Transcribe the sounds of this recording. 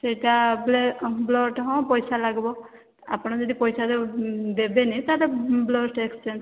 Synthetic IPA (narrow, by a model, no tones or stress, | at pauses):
sejʈabblɔʈɦɔ̃pɔjsalaɡbɔ | a̰pɔɽ̃ad͡ʒɔd̪ipɔjsaded̪ebenit̪aɾɛblɔʈekst͡ʃens